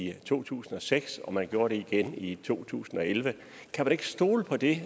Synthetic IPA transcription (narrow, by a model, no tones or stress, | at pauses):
t͡sʰo̝̰ːt͡sʰṵːsn̩ɒ̽seɡ̥sɒ̽mænɡ̥jo̝ɐɾe̝iɡ̥enit͡sʰo̝̰ːt͡sʰṵːsn̩ɒ̽elʋə | kʰæmæne̝ɡ̥əsd̥o̝̰ːləpʰɒ̽d̥e̝